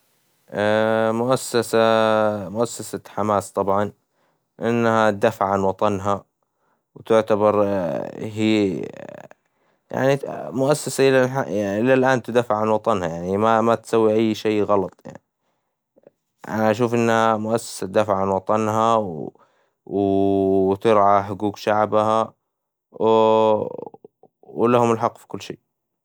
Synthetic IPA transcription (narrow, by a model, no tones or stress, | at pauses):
ʔamʊʔasːasamʊʔasːasaħamaːst̪ˤɑbʕɑn | ʔɪnːhat̚d̪afaʕʕanwɑt̪ˤɑnɦa | wt̪ɪʕt̪abɑɾˤ | ɦiː | ja̰ʕnimʊʔasːasaʔɪlalaʔɪlːalʔaːnt̪ɪd̪aːfɪʕanwɑt̪ˤɑnhajaʕnimamat̪sawːiʔajːʃejːɣɑlɑt̪ˤja̰ʕni | ʔa̰naʔaʃ̬uːfʔɪnːhamʊʔasːḁsat̪̚d̪aːfɪʕanwɑt̪ˤɑnɦaw | w | t̪ɪɾʕaħʊɡuːkʃaʕbaha | wlahʊmɪlħɑqːfi̥kʊlːʃḛː